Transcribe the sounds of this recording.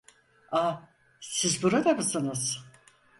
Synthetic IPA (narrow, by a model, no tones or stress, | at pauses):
a | sizbuɾad̪amɯsɯnɯz̥